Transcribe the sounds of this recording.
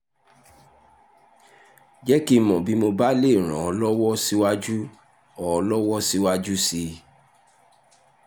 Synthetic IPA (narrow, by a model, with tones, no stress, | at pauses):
d͡ʒɛ˦ki˦mɔ̃˨bi˨˦mo˧ba˦le˦˨ɾ̃ã˨ɔ˧lɔ˦wɔ˦si˦wa˦d͡ʒu˦ | ɔ˨ɔ˧lɔ˦wɔ˦si˦wa˦d͡ʒu˦si˧